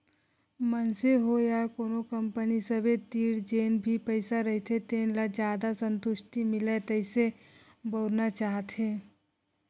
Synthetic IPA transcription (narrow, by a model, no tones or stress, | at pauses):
mənseɦojakoːnokəmpənisəbʱet̪iːɽd͡ʒeːnbʱipəɪsaɾəɦit̪ʰet̪eːnlad͡ʒjaːd̪asə̃nt̪ʊʃʈ̪imɪlet̪əɪse | boːɾnat͡ʃaːɦt̪ɦẽː